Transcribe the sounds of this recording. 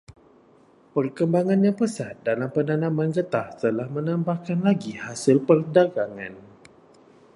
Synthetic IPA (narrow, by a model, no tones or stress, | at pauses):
pərkəmbaŋãnjaŋpəsat̪̚dalampənanãmand͡ʒət̪aht̪əlahmənãmbahkanlaɡihasɪlpərdaɡaŋa̰n